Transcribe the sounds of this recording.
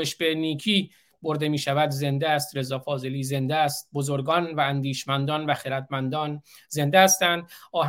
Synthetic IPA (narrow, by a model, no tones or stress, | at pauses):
eʃbeniːkʰiː | boɾd̪e̞miːʃævæd̪ze̞nd̪eæst̪ɾe̞zɒːfɒːze̞liːze̞nd̪eæst̪̚bozoɾɡɒːnvæːnd̪iːʃmænd̪ɒːnvæxeɾæd̪mænd̪ɒːn | ze̞nd̪eæst̪ænd̪ɒːɦ